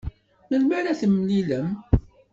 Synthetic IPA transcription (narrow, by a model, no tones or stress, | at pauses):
məlmæɾæθəmːliləm